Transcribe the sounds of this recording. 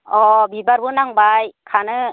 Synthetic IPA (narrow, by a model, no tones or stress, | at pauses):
ʔɔbibaɾbunaŋbajkʰanɯ